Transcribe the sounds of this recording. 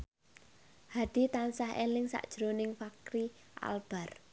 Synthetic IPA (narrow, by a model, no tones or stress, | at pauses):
had̥i̤t̪ansahḛlɪŋsa̰ʔd̥ʒ̥ɾonɪŋfakɾiʔa̰lb̥a̤r